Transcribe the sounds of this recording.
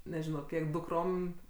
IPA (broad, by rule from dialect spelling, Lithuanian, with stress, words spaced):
nʲɛˈʒʲɪnoː ˈkʲiɛk dʊkˈroːm